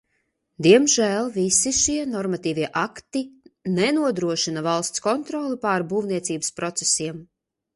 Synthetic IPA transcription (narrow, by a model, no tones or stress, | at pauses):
d̪iɛmʒæːlˠvisiʃiɛnɔɾmat̪iːvʲiɛʔakt̪inɛnuɔd̪ɾuɔʃinavalˠst̪skɔnt̪ɾɔːlˠipaɾbuːvniɛt̪siːbəspɾɔt̪sesiɛm